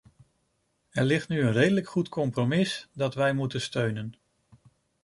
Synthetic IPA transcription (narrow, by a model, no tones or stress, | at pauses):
ɛɹlɪχtnyənrejdələkχutkɔmpromɪsdɑtʋɛjmutənstøɥnən